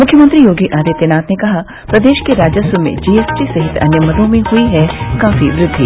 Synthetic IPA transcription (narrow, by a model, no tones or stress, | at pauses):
mʊkʰːjəmənt̪ɾijoːɡiʔaːd̪et̪enaːt̪nekɐɦa | pɾɐd̪eːʃkeɾaːd͡ʒəsʋəmḛ̃d͡ʒiːesʈisɐɦɪt̪ɐ̰njəmɐd̪õmẽhʊiɦɛkaːfiʋɾɪd̪ʱːi